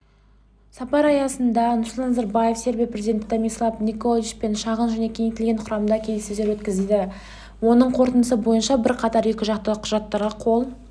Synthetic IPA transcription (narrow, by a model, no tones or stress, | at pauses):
sɑpɑɾɑjɑsənd̪ɑnʊslˠt̪ɑnɑzɑɾbɑje̞fse̞ɾbijpɾre̞zid̪ʲent̪d̪ɑmʲijslˠɑfnikolˠiʃpe̞nʃɑʁənʒəne̞kʲʰe̞ŋt̪elɡʲe̞ɴqʰʊɾɑmənd̪ɑkʲʰe̞lsezd̪e̞ɾwɵt̪kʲɪzed̪ɪ | wo̞nəɴqʰo̞ɾt̪ənd̪əsəbo̞jənʃɑbɪɾqʰɑt̪ɑɾe̞kʲɪʒɑqt̪əqʰʊʒɑt̪ːɑɾʁɑqʰo̞lˠ